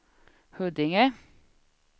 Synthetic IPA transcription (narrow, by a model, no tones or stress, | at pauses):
hʉd̪ɪŋə